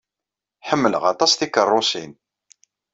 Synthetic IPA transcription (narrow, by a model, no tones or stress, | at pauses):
ħəmːələʁɑ̰t̪ˤɑsθikərˤːosin